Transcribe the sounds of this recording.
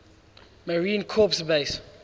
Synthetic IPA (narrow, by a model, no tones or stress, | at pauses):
məɹĩnkʰɔpsbes